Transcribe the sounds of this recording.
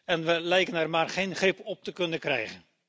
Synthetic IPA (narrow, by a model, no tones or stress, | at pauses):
ɛnʋəlɛjkənɛrmaːrχejnχrɪpɔp̚təkɵnəkrɛ̰jχən